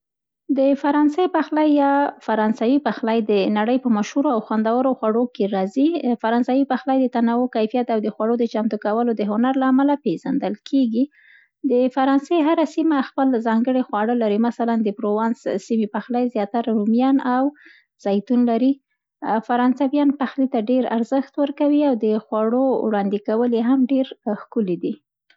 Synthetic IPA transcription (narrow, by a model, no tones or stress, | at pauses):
d̪əfaɾɑnsejpaxlajːɑfaɾɑnsawipaxlajd̪ənaɽəjpəmaʃhuɾoawxwand̪awəɾoxwaɽokeɾɑzifaɾɑnsawipaxlajd̪ət̪anawokajfijat̪awd̪əxwaɽod̪ət͡ʃamt̪ukawəlod̪əɦʊnaɾlaːmalapeʒand̪əlkʰeɡi | d̪əfaɾɑnseɦaɾasimaxpəlzɑŋɡəɽexwɑɽəlaɾimasaland̪əpɾowɑnssimipaxlajzjɑt̪aɾaɾumjɑnaw | z̥ɑjt̪unlaɾi | faɾɑnsawjɑnpaxlit̪aɖeɾa̰ɾzəxt̪wəɾkawiawd̪əxwaɽowɽɑnd̪ikawəleɦamɖeɾxkulid̪i